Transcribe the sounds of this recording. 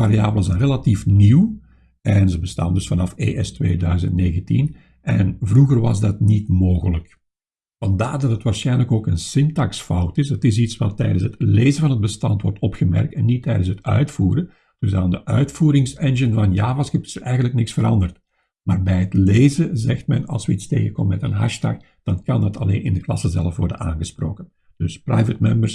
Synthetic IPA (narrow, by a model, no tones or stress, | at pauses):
vaɾiaːbləzɛnrelatifniw | ɛnzəbəsta̰ːndɵsfɑnɑfḛːʔɛstʋḛːdœɥzə̰ntneːɣəntḭn | ʔɛnvruɣərʋɑ̰zdɑtnitmoːɣələk | vɑndaːrdɑtətʋaːrsxɛjnləkoːkənsɪntɑksfʌwtɪsətɪs̬itsʋɑtːɛ̰jdənsətleːzəvɑnɦəd̚bəstɑntwɔ̰rtʰɔpxəmɛ̰rk̚tɛnːitɛjdənsɦətœɥtfuːɾə | d̥ɵsaːndəʔœɥtfuːɾɪŋsɛnʒənvɑnjaːvɑskɪ̥səɛjɣənləknɪksfəɾɑndərt | maːrbɛjətleːzəzɛxtmɛnɑ̰lˠsʋəitsteːɣəkoməmɛtənɦɑ̰ʃta̰x | d̥ɑnkɑndɑtɑlḛːnɪ̰ndəklɑ̰səzɛlˠəfʋɔrdənaːnɣəspro̰ːkən | d̥ɵsprajvət̚mɛmbərs